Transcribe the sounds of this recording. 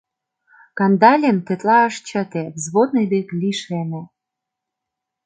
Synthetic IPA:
kɑnd̪ɑlʲemt̪ĕt̪lɑəʃt͡ɕə̆t̪ezβod̪̚nɤjbeklʲiʃene

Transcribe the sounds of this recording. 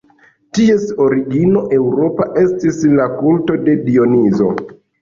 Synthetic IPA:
tie̞so̞ɾiɡino̞ʔe̞wɾo̞paʔe̞stislakulto̞de̞dio̞nizo̞̰

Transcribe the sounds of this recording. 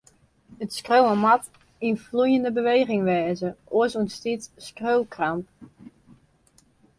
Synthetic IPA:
ətskrowəmat | influjəndəbəʋejχɪŋʋɛːzəʔoəsunstitskrøwlkramp

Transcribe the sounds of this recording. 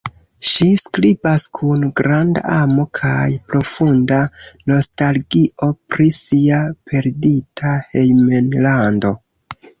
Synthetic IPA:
ʃiskɾibaskʰunɡɾanda̰amo̞kʰajpɾo̞fundano̞stalɡiʔo̞pɾisiapʰe̞ɾditʰahejmenlando̞

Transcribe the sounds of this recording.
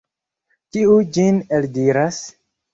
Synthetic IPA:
kiud͡ʒineldiɾas

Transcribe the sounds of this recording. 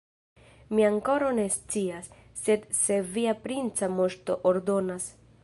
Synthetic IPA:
miaŋko̞ɾane̞st͡siasː | e̞d̪se̞viapɾint͡samo̞ʃto̞̰ʔoɾdo̞nas

